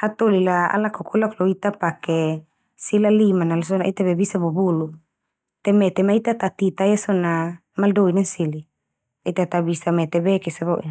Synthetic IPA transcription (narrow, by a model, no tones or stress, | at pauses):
at̪olilaa̰lakokʰulakloit̪apakɛ | silalimanals̬ɔnait̪abɛbisabobulu | t̪ɛmɛt̪ɛmait̪at̪at̪it̪ajasɔna | maldoinansili | ait̪at̪abisamɛt̪ɛbɛkɛsabaʔ